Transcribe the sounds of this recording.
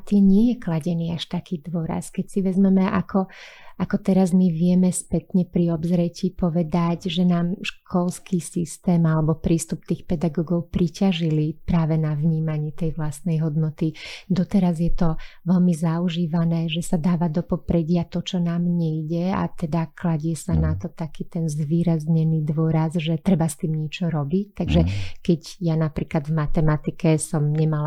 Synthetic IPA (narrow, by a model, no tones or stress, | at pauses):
at̪iːmɲɪɛjɛklaɟɛniːaʃt̪akiːd̪ʋɔɾa̰skɛcsiʋɛzmɛmɛʔakɔakɔt̪ɛɾazmiʋɪɛmɛspɛt̪ɲɛpɾiɔbzɾɛciːpɔʋɛd̪aɟʒɛnaːmʃkʰɔlskiːsist̪ɛːmalɛbɔpɾiːst̪up̚t̪iːxpɛd̪aɡɔːɡɔʊpɾicaʒilipɾaːʋɛnavɲiːmaɲɪɛt̪ɛjʋlast̪nɛjɦɔd̪nɔt̪id̪ɔt̪ɛɾazjɛt̪ɔʋɛlmizauʒiːʋanɛːʒɛsad̪aːʋad̪ɔpɔpɾɛɟɪat̪ɔt͡ʃɔnaːmɲɛjɟɛa̰t̪ɛd̪aklaɟɛsanat̪ɔt̪akiːt̪ɛnzʋiːɾazɲɛniːd̪ʋɔɾazʒɛt̪ɾɛbast̪iːmɲɛt͡ʃɔɾɔbict̪aɡʒɛkɛɟjanapɾiːklad̪vmat̪ɛmat̪ikɛsɔmɲɛmala